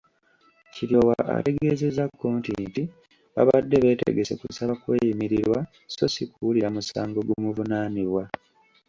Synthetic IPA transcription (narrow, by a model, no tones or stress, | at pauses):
ciɾjowaʔa̰te̞ɡe̞ze̞zakːoːntinti | βa̰βadːe̞βe̞ːtḛɡe̞se̞̰kusaβakwe̞ːjimiɾiɾwa | so̞sikuuliɾamusaːŋɡo̞ɡumuvunaːniβwa